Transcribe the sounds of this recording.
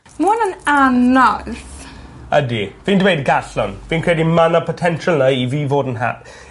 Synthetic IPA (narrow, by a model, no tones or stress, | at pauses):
mɔnənanalθa̰diəfĩːndəwetɡaslɔ̃nb̥ĩːnkʰɹ̥ieɪɾɪ̃nmanəpʰətʰɛ̃nʃələiviːvɔːdən̩ɦa̰t̚